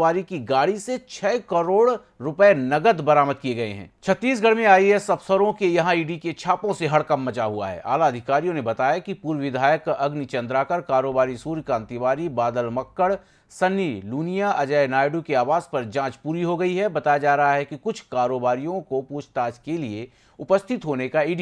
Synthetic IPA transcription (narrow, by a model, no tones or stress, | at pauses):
aːɾikiɡaːɽiset͡ʃʰɛːkɐɾoːɽ | ɾʊpɛenɐɡəd̪bɐɾaːməd̪̚kijeɡɐḛɦɛ̰̃ːt͡ʃʰɐt̪ːiːsɡʱɐɽ̤mẽaːiɦɛsɐbsəɾõkejɐɦãiːɖiket͡ʃʰaːpõseɦɐɽkɐmːɐt͡ʃaɦua̰ɦɛ̰ːʔa̰ːlaɐd̪ʱɪkaːɾijõnebɐt̪aːjakipuːɾʋɪd̪ʱaːjəkɐɡnit͡ʃɐ̃nd̪ɾakɐɾkaːɾoːbaːɾisuːɾkãːnt̪iʋaːɾibaːd̪əlmɐkːəɽ | sɐnːiluːnijaʔɐd͡ʒəenaːɪɖukeaːʋaːzpɐɾd͡ʒãːt͡ʃpuːɾiɦoɡɐiɦɛbɐt̪aːjad͡ʒaːɾɐɦaɦɛkikʊt͡ʃʰkaːɾoːbaːɾijõkopuːt͡ʃʰt̪aːd͡ʒkelie | ʊpəst̪ʰɪt̪ɦoːnekaiːɖi